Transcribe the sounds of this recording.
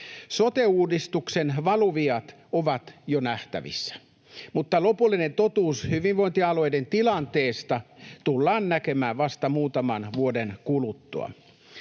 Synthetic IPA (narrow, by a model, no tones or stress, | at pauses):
sot̪euːdist̪uksenʋɑluʋiɑt̪ | oʋɑt̪jonæht̪æ̰ʋḭsːæ̥ | mut̪ːɑlo̞pulːinent̪ot̪uːshyʋiʋʋo̞int̪iɑlo̞jdent̪ilɑnt̪eːst̪ɑt̪ulːɑːnnækemæːʋʋɑst̪ɑmuːt̪ɑmɑnʋuodenkulut̪ːṵɑ̰